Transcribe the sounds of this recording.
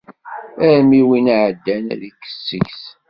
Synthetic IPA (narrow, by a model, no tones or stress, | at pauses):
æɾmiwinʕəd̪ːænæ̰ðikːə̥sːiçs